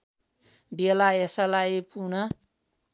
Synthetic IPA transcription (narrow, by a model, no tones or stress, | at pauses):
belaesʌlaepunʌ